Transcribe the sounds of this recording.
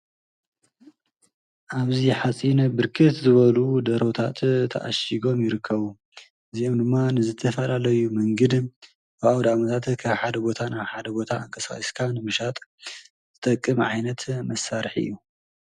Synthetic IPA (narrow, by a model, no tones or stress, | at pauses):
ʔaβziħat͡sʼinɐbɨɾkʰɨt̪zɨβɐlud̪ɐɾo̞t̪ʰa̰t̪t̪ʰɐ̰ʔa̰ʃiɡo̞mjɪɾɨkʰːɐβu | ʔɨziomd̪ɨmːanɨzɨt̪ʰːɐfɐlalɐjumɐŋɡɐd̪ | bɨawd̪amɐt̪ʰat̪kʰaβħad̪ɐbo̞t̪ʰanaβħad̪ɐbo̞t̪ʰaɨŋkʰɐsa̰iskʰanɨmɨʃat̪ʼ | zɨt̪ʼɐkʼːɨmʕajnɐt̪mɐsaɾħɨ̰jːu